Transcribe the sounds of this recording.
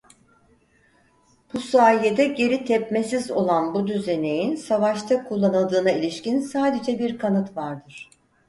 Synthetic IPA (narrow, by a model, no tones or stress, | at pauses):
b̥usaːjed̪ɛɟe̞ɾit̪ʰɛpmesizo̞̰lˠanbud̪yze̞ne̞jinsavaʃt̪ʰakʰulˠːanɯlˠd̪ɯːnailʲiʃcinsaːd̪e̞d͡ʒɛbiɾkʰanɯt̪vaɾd̪ɯɾ̥